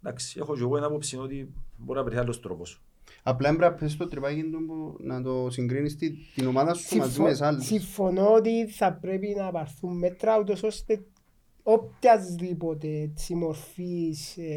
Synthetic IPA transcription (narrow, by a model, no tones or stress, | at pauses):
d̪aksi̥exod͡ʒeɣoenapopsinot̪iboɾinaɐpeɾialːost̪ɾo̰posu̥ | aplaembɾapʰːes̬t̪ot̪ɾipakind̪umbunat̪osiŋɡɾinist̪it̪inomaðɐsut̪umazimesalːsiɱfo̞noot̪̬iθapɾepinapɐɾθumːet̪ɾɐut̪o̞so̞st̪e̞ | op̚t̪jɐzðipo̞t̪etsimoɾfis